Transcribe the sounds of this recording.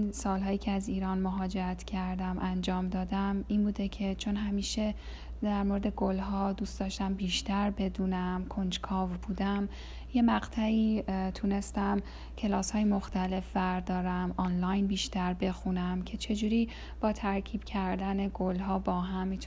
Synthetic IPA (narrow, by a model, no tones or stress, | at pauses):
nsɒːlɦɒːjiːcʰeæziːɾɒːnmoɦɒːd͡ʒeɾæt̪ʰcʲʰæɾd̪æmʔænd͡ʒɒːmd̪ɒːd̪æminbuːd̪e̞cʰe̞t͡ʃʰo̞nɦæmiːʃe̞ | d̪æɾmoɾed̪e̞ɡolɦɒːd̪uːst̪d̪ɒːʃt̪æmbiːʃt̪æɾbe̞d̪uːnæmkʰo̞nd͡ʒkʰɒːvbuːd̪æm | je̞mæɡt̪ʰæiːt̪ʰune̞st̪æm | cʰe̞lɒːshɒːjemo̞xt̪ʰæle̞fbæɾd̪ɒːɾæmɒːnlɒjnbiːʃt̪æɾbe̞xunæmcʰe̞t͡ʃʰe̞d͡ʒuːɾiː | b̥ɒːt̪ʰæɾcʰiːb̥cʰæɾd̪æne̞ɡolɦɒːbɒːɦæmi